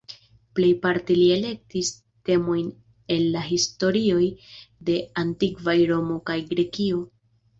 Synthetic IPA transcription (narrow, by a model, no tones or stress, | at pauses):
ple̞jpaɾtilie̞le̞k̚tis | te̞mo̞jn | e̞nːaɦisto̞ɾio̞jde̞antikvajɾo̞mo̞kajɡɾe̞kio̞